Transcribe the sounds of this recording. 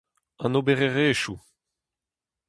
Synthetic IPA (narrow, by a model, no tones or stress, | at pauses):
ɑ̃nobeʁeʁeːʃu